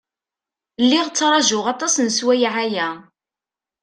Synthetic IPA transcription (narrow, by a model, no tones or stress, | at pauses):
lːiʁt͡sːɾˤɑʒʊʁɑt̪ˤɑsnəswæjʕajæ